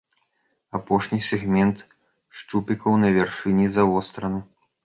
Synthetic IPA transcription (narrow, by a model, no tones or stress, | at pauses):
apɔʂnʲisʲɛɣmʲɛnt̪ | ʂt͡ʂupʲikɐwnɐvʲarʂɨnʲizavɔst̪ɾɐnu